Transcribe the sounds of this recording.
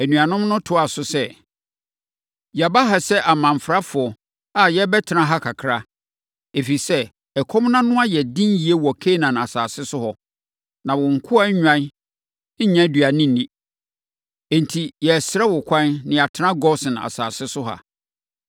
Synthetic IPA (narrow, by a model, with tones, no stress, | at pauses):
æ˨nũ˨a˨nʊ̃˦mnʊ̃˦tʰʊ˦a˨sʊ˦sɛ˦ | jba˦ɦa˨sɛ˦ʔa˨mã˨ɱ˨fɾa˦fʊ˨ɔ˨ | a˨jɛ˦bɛ˦tʰɪ˨nã˦ɦa˦kʰa˨kʰɾa˦ | e˨fi˨sɛ˦ | ɛ˨kʰɔ˦m˦nã˦nʊ̃˦a˦jɛ˨dɪ̃˦n˦ji˨e˦wɔ˨kʰe˦nã˨na˨saː˨sɪ˦sʊ˦hɔ˨ | nã˨wɔ˨ŋ̩˨kʰʊ˦a˦ɲᶣã˦n̩˦ | ɲã˦dɥa˨nɪ̃˦nĩ˦ | ɛ̃˨ntʰi˨jɛ˨sɾɛ˦wʊ˨kʷʰã˦nnɪ̃˨a˨tʰɪ˦nã˦ɡɔ˦sɪ̃˨n˨a̰˨saː˨sɪ˦sʊ˦ɦa̰˨